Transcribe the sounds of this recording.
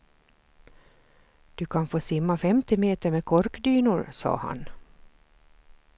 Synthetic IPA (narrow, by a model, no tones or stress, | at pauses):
d̪̥ɵkʰanfoːsɪmːafɛmt̪ɪmeːt̪əɾmeːkʰɔɾkd̪yːnʊɾsɑ̰ːha̰n